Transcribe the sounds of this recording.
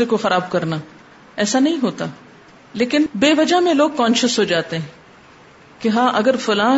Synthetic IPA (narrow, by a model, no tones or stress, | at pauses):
ekoxɐɾaːb̚kɐɾnaː | ɛːsanɐɦĩɦoːt̪aː | leːkɪnbeːʋɐd͡ʒamẽloːɡ̚kɔ̃ːnʃəsɦod͡ʒaːt̪eɦɛ̃ | keɦãːʔɐɡəɾfʊlãː